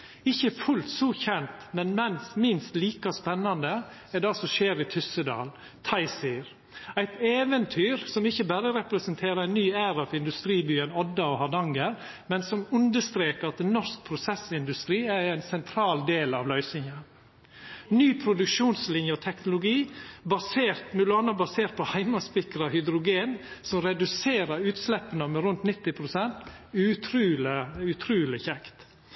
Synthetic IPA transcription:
ɪçːəfʉlt̪sɔçɛnt̪mɛnmɛnsmɪnst̪liːkɑspɛnːɑnd̪ə | ɛɖ̪ɑsɔʃeːɾit̪ʰʏsəd̪ɑ̰ːl | t̪ʰɑɪsɪɾ | æɪt̪eːʋənt̪ʰyːɾsɔmɪçəbæːɾəɾɛpɾɛsənt̪ʰeːɾəɾæɪnːyːæːɾɑfɪnd̪ʉst̪ɾiːbyːɛnɔd̪ːɑɔhɑd̪ɑŋɡəɾ | mɛnsɔmʉnd̪əst̪ɾeːkəɑt̪nːɔɾsk̚pʰɾʊsɛsɪnd̪ʉst̪ɾiːæɾæɪnsɛnt̪ʰɾɑːld̪eːlɑ̰ʋlœʏsnɪŋə | nyːpʰɾʊd̪ʉkʃuːnslɪnjəɔt̪ʰɛknʊlʊɡiːbɑseːɾt̪mʉloɑnəbɑseːɾt̪̚pʰɔhæɪmɑspɪkəɾɑhʏd̪ɾʊɡeːnsɔmɾɛd̪ʉseːɾəɾʉːt̪slɛpːənəmɛɾʉnt̪nɪt̪ːɪpʰɾʊsɛnt̪ʉt̪ʰɾʉːləʉt̪ʰɾʉːlɪçɛkt̪

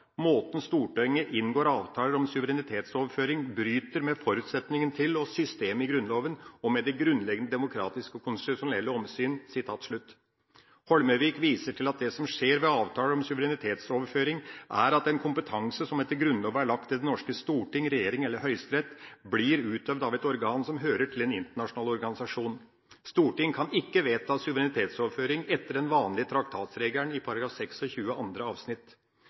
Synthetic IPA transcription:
moːt̪n̩st̪uːʈœʏŋəʔɪnːɡoːɾɑːʋt̪ʰɑːləɾɔmsʉʋəɾɛnɪt̪ʰeːt̪soːʋəɾføːɾɪŋbɾyːt̪əɾmɛfɔɾʉːt̪sɛt̪nɪŋənt̪ʰɪlɔsʏst̪eːməɪɡɾʉnloːʋənɔmɛd̪ɛɡɾʉnlɛɡənəd̪ɛmʊkʰɾɑ̰ːt̪ɪskəɔkʰʊnst̪ɪt̪ʊʂʊnɛlːəɔmsyːnsɪt̪ʰɑːt̪ʂɭʉt̪ː | hɔlməʋiːkʋiːsəʈʰɪlɑt̪̚d̪ɛsɔmʂeːɾʋɛɑːʋt̪ʰɑːləɾɔmsʉʋəɾɛnɪt̪ʰeːt̪soːʋəɾføːɾɪŋʔæɾɑt̪ɛnkʰʊmpət̪ʰɑŋsəsɔmɛt̪ːəɡɾʉnːɔːʋəæɭɑk̚t̪ʰːɪld̪ɛnɔʂkəst̪uːʈɪŋɾɛjeːɾɪŋɛlːəɾɦœʏst̪ɾɛt̪ːbliːɾʉːt̪œʋd̪ɑʋɛt̪ɔɾɡɑːnsɔmɦøːɾəʈʰɪlɛnɪnt̪əɳɑʂʊnɑːlɔɾɡɑnɪsɑʂuːn | st̪uːʈɪŋːkʰɑnɪkːəʋeːt̪ʰɑːsʉʋəɾɛnɪt̪ʰeːt̪soːʋəɾføːɾɪŋɛt̪ːəɖɛnʋɑːnlɪət̪ʰɾɑkt̪ʰɑːt̪sɾeːɡləɳɪpʰɑɾɑɡɾɑːfsɛksɔçʉːəɑnd̪ɾəɑːʋsnɪt̪

